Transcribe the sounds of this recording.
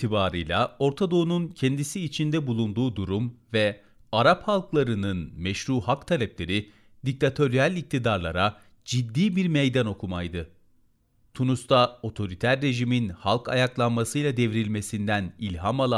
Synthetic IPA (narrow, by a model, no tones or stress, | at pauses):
t̪ʰibaːɾɯjlʲˠao̞ɾt̪ʰad̪o̞ununcʰɛnd̪isiːt͡ʃʰind̪ɛbulˠund̪uːd̪uɾumvɛ | aɾaphalˠklˠaɾɯnɯnmɛʃɾuːɦakt̪ʰalʲɛplʲe̞ɾi | d̪ic̚t̪ʰat̪ʰo̞ɾijalʲic̚t̪ʰid̪aɾlˠaɾa | d͡ʒid̪ːiːbiɾmejd̪ano̞kʰumajd̪ɯ | t̪ʰunust̪ʰao̞t̪ʰo̞ɾit̪ʰæɾːe̞ʒiminhalˠkʰa̰jaklˠanmasɯjlˠad̪e̞vɾilʲme̞sind̪ænilʲɦamalˠa